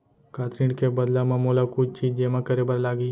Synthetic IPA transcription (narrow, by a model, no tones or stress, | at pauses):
kaːt̪ɾĩːɖkebɐd̪lamãmoːlakʊt͡ʃt͡ʃiːd͡ʒd͡ʒeːmãkəɾebəɾlaːɡi